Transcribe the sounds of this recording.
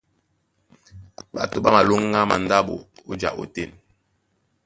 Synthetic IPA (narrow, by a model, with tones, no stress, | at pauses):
ɓa̰˨to˦ɓa˦ma˨lo˦ŋː˦a˦ma̰˨n˦da˦ɓo̰˨o˦d͡ʒa̰˨ʔo̰˨te˦˨n